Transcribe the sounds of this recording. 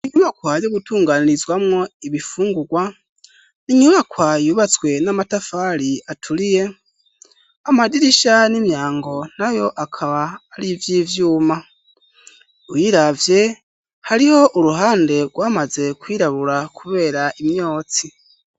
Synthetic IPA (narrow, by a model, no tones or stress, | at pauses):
iɲuβakwajoɡutuːŋɡaːniɾizwamŋo̞iβifuːŋɡuɡwa | niɲuβakwajuːβat͡swe̞namatafaɾiatʰuɾije̞ | amadiɾiʃanimjaːŋɡo̞n̥ajo̞ʔakʰaβaːɾivjiːvjuːma | ujiːɾavje̞ | haɾiho̞ʔuɾuɦaːnde̞ɡwaːmaze̞kwiːɾaβuɾakʰuβe̞ːɾaʔimɲo̞ːt͡si